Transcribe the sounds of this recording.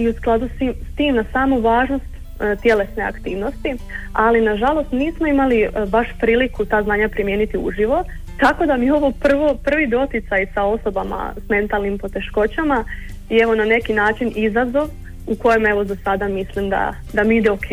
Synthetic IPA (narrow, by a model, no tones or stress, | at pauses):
iusklˠad̪usiːmst̪iːmnasaːmuʋaːʒnost̪ | t̪je̞le̞sne̞a̰kt̪iːʋno̞st̪ialinaʒalˠo̞st̪niːsmo̞imalibaʃpɾiːlikut̪aːznaːɲapɾimje̞ːnit̪iṵʒiʋo̞ | t̪ako̞d̪amijeo̞ʋo̞pr̩ʋopr̩ʋid̪o̞t̪it̪sajsao̞so̞bama̰sme̞nt̪alˠnimpo̞t̪e̞ʃko̞t͡ɕama | ieʋo̞nane̞kinaːt͡ʃinizazo̞ʋ | uko̞jeme̞ʋo̞zasad̪amislimd̪a̰ | d̪amiid̪eokʰeː